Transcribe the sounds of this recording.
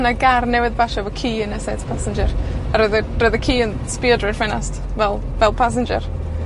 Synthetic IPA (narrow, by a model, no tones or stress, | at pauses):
naɡarnɛwɪðbaʃavɔkʰiːənɛsɛdpʰasɪnd͡ʒəraɾəðərəðəkʰiːən | spiədrəd̥fwɛnast | vɛlˠ | vɛlˠpʰas̬ɪnd͡ʒə̰r